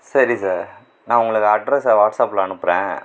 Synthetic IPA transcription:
sɐɾisaːɾ | nãːʊŋɡɐɭɯkːɐɖɾɛsʋaːʈsaːplɐɐɳɯpːɯɾḛ̃ː

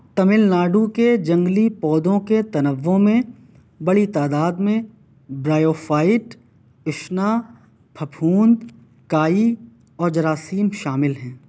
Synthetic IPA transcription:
t̪ɐmɪlnaːɖuked͡ʒɐ̃ŋɡlipɔːd̪õket̪ɐnəʋːõmẽ | bɐɽit̪aːd̪aːd̪mẽ | bɾaːjoːfʰaːɪʈ | ɪʃna | pʰɐpʰuːnd̪ | kaːi | ɔːɾd͡ʒɐɾaːsiːmʃaːmɪlɦɛ̃ː

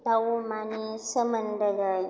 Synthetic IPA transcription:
dawʊmanisɐməndɐɡa

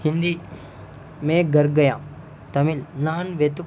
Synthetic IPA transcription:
hind̪i | meːɡɐɾɡɐjãː | t̪ɐmilnaːnʋet̪u

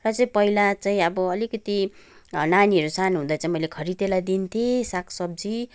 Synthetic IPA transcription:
rʌt͡saĩpʌilat͡saĩʌbʌʌlikʌt̪i | naniʌɾusanɦũd̪at͡saĩmʌjlekʰʌɾit̪elajd̪int̪ʰesakʰsʌb̚d͡zi

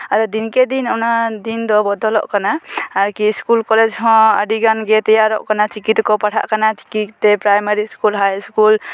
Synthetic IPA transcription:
aɾɔd̪inkɛd̪inɔwnad̪ind̪ɔbɔd̪ɔlɔ̰ʔkanaːɾkiskulkɔlɛd͡ʒɦɔ̃ə̰ɖiɡanɡɛt̪ɛjaɾɔ̰ʔkanat͡ʃikit̪kɔpaʈʰa̰ʔkanat͡ʃi̥kiːɛpɾajmaɾiskulɦajskul

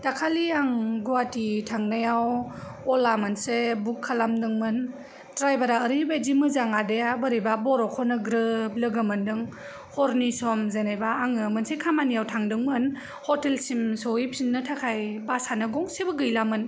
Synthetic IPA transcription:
takʰaliaŋɡuwatitʰaŋnajaw | ɔlamɯnsebukʰːalamdɯŋmɯn | tɾajbaɾaːɾibad͡ʒimɯzaŋadejabəɾibabɔɾɔkʰɔnɯɡɾɯp̚lɯɡɯmɯndɯŋ | hɔɾnisɔmzenajbaːŋɯmɯnsekʰamanijawtʰaŋdɯŋmɯn | hɔtelsimsɔipʰinːɯtʰakʰajbasanɯɡɔŋsebɯɡɯjlamɯn

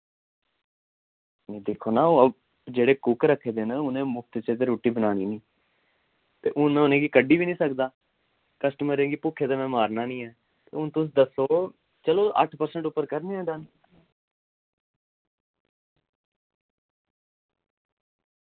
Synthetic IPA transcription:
eːd̪eːkʰːoːnaːoːəb | d͡ʒeːɽeːkʊkɾəkʰːeːd̪eːnaʊnẽːmʊkʰt̪t͡ʃeːt̪eɾoːʈiːbənaːniːnĩː | t̪ḛːʔʊnmɛ̃ːʊnẽːɡiːkəɖːiːbiːnĩːsəkd̪aː | kəsʈəməɾẽːɡiːpʊkʰːeːd̪eːmɛ̃ːmaːɾnaːnĩːɛː | t̪ḛːʊnt̪ʊs̬d̪əsoː | t͡ʃəloːʔə̰ʈʰpəɾsəɳʈʊpːəɾkəɾnẽɛ̃ːd̪aːn

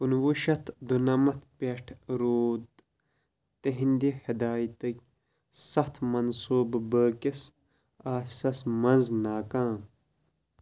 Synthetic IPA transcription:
unwuʃɐt̪ʰd̪unɐmɐt̪ʰpʲeʈʰɾoːd̪ | t̪eɦind̪ihɐd̪aːjt̪ɐk̚ʲ | sɐht̪ʰmɐnsuːbbəːkes | aːfsɐsmɐnznaːkaːm

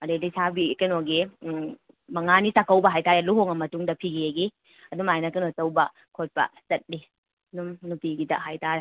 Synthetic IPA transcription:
ɐdedisʰabikɐnoɡi | mɐŋanitakɐwbɐɦajtaɾeluɦoŋɐmɐtuŋdɐpʰiɡijeɡi | ɐduŋajnɐkɐnosɐwbɐ | kʰot̚pɐ̰sɐt̚li | ɐduŋnupiɡidɐ̰ɦajtʰaɾe

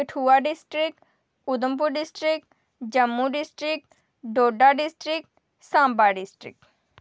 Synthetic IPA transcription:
kəʈʰuːaɖisʈɾik̚ʈ | ud̪ump̬uɖisʈɾik̚ʈ | d͡ʒəmːuɖisʈɾikʈ | ɖoːɖaɖisʈɾik̚ʈ | sãːmbaɖisʈɾḭk̚ʈ

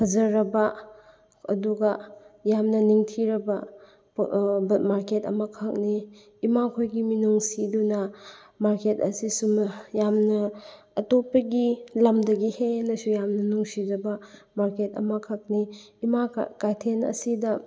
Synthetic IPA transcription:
hʰɐzɐɾɐbɐ | ɐ̰duɡɐjamnɐniŋtʰiɾɐbɐ | bɐmaɾketɐ̰mɐkʰɐk̚niː | makʰojɡiminuŋsidunɐ | maɾketɐsisumjamnɐː | topːɐɡilɐmdɐɡihenɐsujamnɐnuŋsizɐbɐ | maɾketɐ̰mɐkʰɐk̚niːmakajtʰenɐ̰sidɐ

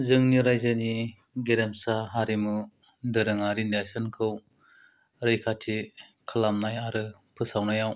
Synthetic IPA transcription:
zɯŋniɾajzɯni | ɡeɾemsaɦaɾimɯ | dɯɾɯŋaɾindajsɯnkʰɯw | ɾɯjkʰatʰikʰɯlamnajaɾɯ | pʰɯsawnajaw

